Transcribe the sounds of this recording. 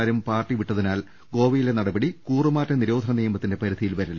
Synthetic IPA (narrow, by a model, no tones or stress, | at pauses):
ɾumpaːrʈːiʋiʈːɐðinaːl | ɡo̞ːʋijile̞nɐɽɐbɐɽikuːrumaːtːɐniɾo̞ːd̪ʱɐnɐniːjɐmɐt̪ːinde̞pɐɾud̪ʱijilʋɐɾɐlːɐ